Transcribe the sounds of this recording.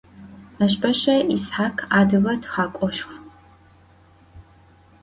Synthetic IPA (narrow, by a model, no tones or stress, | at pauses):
aɕ̬pɐɕɐisħaːkʰaːdɨɣɐtʰχaːkʷʼɔʃxʷ